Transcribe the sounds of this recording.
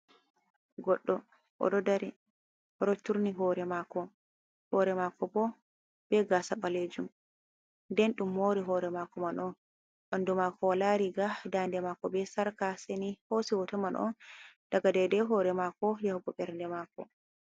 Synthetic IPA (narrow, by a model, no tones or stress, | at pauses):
ɡɔɗːɔ | ʔɔ̰ɗɔdaɾi | ʔɔɗɔtːuɾniɦɔːɾɛmakɔ | hɔɾɛmakɔbɔ | b̥ɛɡasaɓaled͡ʒum | ndɛnɗumːoɾiɦɔːɾɛmakɔmanʔɔn | ʔɔndumakɔwalaɾiɡadandɛmakɔbɛsaɾkasenihosiwɔtɔmanʔɔ̰nd̥aɡadɛdɛɦɔɾɛmakɔjahɔɡɔɓɛɾndɛmakɔ̰